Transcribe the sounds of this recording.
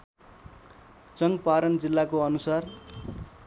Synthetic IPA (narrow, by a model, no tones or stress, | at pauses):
t͡sʌŋɡpaɾʌnd͡zilːakoʌnusar